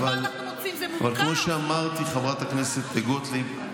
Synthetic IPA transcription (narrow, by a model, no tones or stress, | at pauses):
val | avalkmo̞ʃeamaʁt̪iχavʁat̪akneset̪ːeɡot̪li